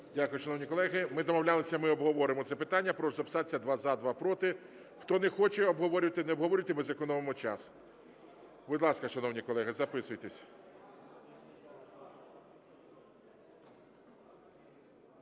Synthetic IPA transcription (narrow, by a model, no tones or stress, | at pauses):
dʲakʊjʊʃɐnɔwnʲikɔlˠɛɦɪmɪd̪ɔmɔwlʲalˠɪsʲɐmɪɔbɦɔʋɔɾɪmɔt̪sɛpɪt̪ɑnʲːɐpɾɔʒzɐpsɑt͡sʲːɐd̪ʋɑzɑd̪ʋɑpɾɔt̪ɪ | xt̪ɔnɛxɔt͡ʃɛɔbɦɔʋɔɾʲʊʋɐt̪ɪnɛɔbɦɔʋɔɾʊʋt̪ɪmɪzɐkɔnɔʋemɔt͡ʃɑ̰s | bʊd̪lˠɑskɐʃɐnɔwnʲikɔlˠɛɦɪzɐpɪsʊjt̪esʲ